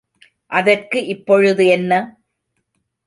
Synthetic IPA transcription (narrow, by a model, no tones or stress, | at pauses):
ʔɐðɐrkɯʔɪpːɔɻɯðɯɛnːɐ